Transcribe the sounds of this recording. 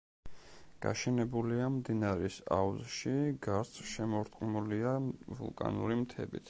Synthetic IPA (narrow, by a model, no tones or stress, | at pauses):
ɡ̥a̰ʃɛnɛbuliamd̪inaɾɛsa̰uzʃiɡaɾt̪sʰʼʃɛmɔɾt̪ʼqʼmuliavṵlˠkʼa̰nṵɾimt̪ʰɛ̰bḭt̪ʰ